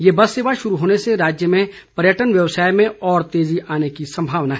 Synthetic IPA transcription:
jeːbɐsseːʋaʃʊɾuɦoːneseɾaːd͡ʒjəmẽ | pəɾjəʈənʋjɐʋsaːjemẽɔːɾt̪eːziʔaːnekisɐ̃mbʱaːʋnaɦ

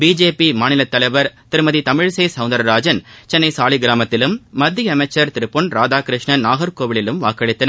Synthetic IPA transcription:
biːd͡ʒeːpimaːnɪlɐt̪ːɐlɐɪʋɐɾt̪ɪɾɯmɐðit̪ɐmɪɻseɪsɐʊnd̪ɐɾɐɾaːd͡ʒɐnt͡ʃɛnːɐɪsaːlɪɡɪɾaːmɐt̪ːɪlɯmːɐd̪ːijɐmɐɪt͡ʃːɐɾt̪ɪɾɯpːʊnɾaːd͡ʒaːkɪɾɪʂɳɐnaːɣɐɾkoːʋɪɭɪlɯmʋaːkːɐɻɪt̪ːɐn

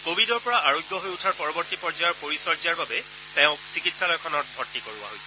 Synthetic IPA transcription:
kobʱidɔɹpɔɹaaɹoɡjɔɦojutʰaɹpɔɹɔbɔɹtipɔɹd͡ʒajɔɹpoɹisɔɹzaɹbabɛ | tɛʊ̃ksikitsalɔjɔkʰɔnɔt̚bʱɔɹtːikoɹuwa̰ɦojsɛ

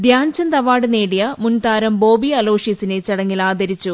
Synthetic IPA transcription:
d̪ʱjaːnt͡ɕɐnt̪ɐʋaːɽɨneːɽijɐmunt̪aːɾɐmbo̞ːbiɐlo̞ːʂisinet͡ɕɐɽɐŋːilaːd̪ɐɾit͡ɕːu

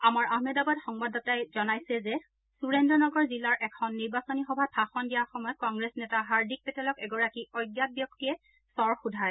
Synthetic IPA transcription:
amaɹaɦmɛdabadxɔŋbadɔtajzɔnajsɛzɛ | suɹendɹɔnɔɡɔɹzilaɹʔɛkʰɔnːiɹbasɔnixɔbʱatʰaxɔndijaxɔmɔjkɔŋɡɹesnɛtaɦaɹdik̚pɛtʰɛlɔkɛɡɔɹakiɔjɡjat̚bjɔktiɛ | sɔɹxudʱaj

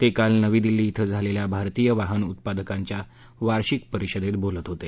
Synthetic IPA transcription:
t̪ekalnəʋiːd̪ilːiːt̪ʰəd͡zʱaleljabʱaɾt̪iːjəʋaɦənut̪̚pad̪əkãɲt͡ɕja | ʋaɾɕikpəɾiɕəd̪ʱet̪bolət̪ɦot̪e

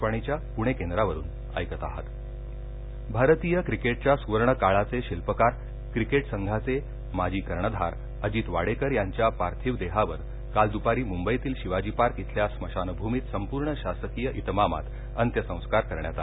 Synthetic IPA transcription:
pəɳ̃it͡ɕjapuɽ̃ekend̪ɾaʋəɾṵːn | a̰jkət̪a̰ɦa̰t̪ | bʱaɾt̪ijəkɾikeʈ̚t͡ɕjasuʋəɾɳəkaɭat͡seɕilpəkaɾ | kɾikeʈsəŋɡʱat͡se | mad͡ʑʱiːkəɾɳəd̪ʱaɾ | əd͡ʑiːt̪ʋaɽekəɾjaɲt͡ɕjapaɾt̪ʰiːʋd̪eɦaʋəɾ | kald̪upaɾiːmumbəjt̪iːlɕiʋad͡ʑiːpaɾkit̪ʰljasməɕanəbʱumiːt̪səmpuːɾɳəɕasəkiːjəʔit̪mama̰t̪ | ənt̪jəsə̃w̃skaɾkəɾɳjat̪a

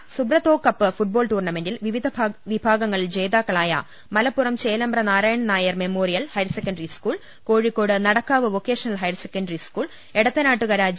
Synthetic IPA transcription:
subrɐt̪o̞ːkːɐpːɨfuʈ̚bo̞ːlʈuːrnɐme̞ndilʋiʋid̪ʱɐbʱaʋibʱaːɡɐŋːɐɭld͡ʑe̞jd̪aːkːɐɭaːjɐ̰ | mɐlɐpːurɐmt͡ɕeːlɐmbrɐnaːɾaːjɐɳɐnaːjɐrme̞mo̞ːrijɐlhɐjɾsekːɐɳɖɐriskuːɭ | ko̞ːɻikːo̞ːɽɨnɐɽɐkːaːʋɨʋokːe̞ːʂɐnɐlɦɐjɐrsekːɐɳɖɐriskuːɭ | eɽɐt̪ːɐnaːʈːuɣɐɾaːd͡ʑ

